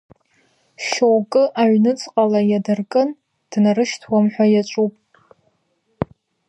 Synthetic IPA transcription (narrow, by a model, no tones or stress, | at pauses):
ʃowkʼɨʔaʕnɨt͡sʼqʼalajadɨrkʼɨn | d̥narɨʃtʰwamħʷᶣajat͡ʃʷʼupʼ